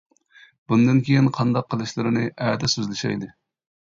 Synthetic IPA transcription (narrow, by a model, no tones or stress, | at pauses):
b̥und̪ɨnkʲʰejinqʰɑnd̪ɑqʰːəlˠɨʃlɨɾɪnɨʔɛːt̪ʰɛsyzlɪʃɛ̰jd̪ɨ